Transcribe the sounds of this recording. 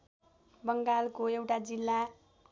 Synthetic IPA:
bʌŋɡalkoewʈad͡zilːa

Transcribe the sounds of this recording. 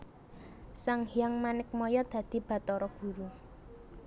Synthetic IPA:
saŋhiaŋmanɪk̚mɔjɔd̪̥ä̤d̪̥i̤b̥ä̤t̪ɔɾɔɡ̥ṳɾu

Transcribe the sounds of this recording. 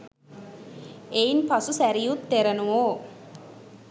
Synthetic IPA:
einpasusæɾijut̪ːeɾənuʋoː

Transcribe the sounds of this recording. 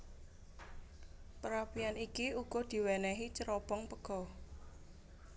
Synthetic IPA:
pəɾapijanikiuɡ̥ɔ̤d̪̥i̤wɛnɛɦit͡ʃəɾɔpɔŋpəɡ̥ɔ̤

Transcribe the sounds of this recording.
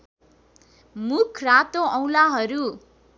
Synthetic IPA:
mukʰrat̪oʌw̃laɦʌɾu

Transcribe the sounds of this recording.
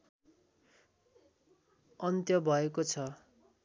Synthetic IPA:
ʌnt̪jʌbʱʌekot͡sʰʌ

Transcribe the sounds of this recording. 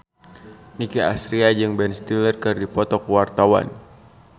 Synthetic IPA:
nikia̰sɾiad͡ʒɨŋbɛnst̪ilərkɨrdipɔt̪ɔkuwart̪awa̰n

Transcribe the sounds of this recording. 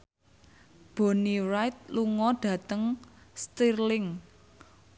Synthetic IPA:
b̥o̤nirajt̪̚luŋɔɖ̥ä̤t̪əŋst̪irlɪŋ

